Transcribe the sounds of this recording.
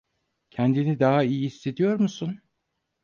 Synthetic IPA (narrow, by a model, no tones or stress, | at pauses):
cʰɛnd̪inid̪aɦaijiisːe̞d̪ijo̞ɾmusun